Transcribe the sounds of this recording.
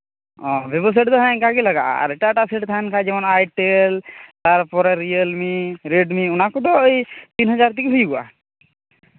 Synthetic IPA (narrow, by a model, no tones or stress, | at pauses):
ɔ̃bebɔs̬aʈd̪ɔɦankaɡelaɡa̰ʔa̰ɾɛʈaʈaseʈt̪ʰaankʰajd͡ʒɛmɔnajʈelt̪aɾpɔɾɛɾijəlmiɾeɖmiunakud̪ɔjt̪inɦɔd͡ʒaɾt̪ikeɦujɡua̰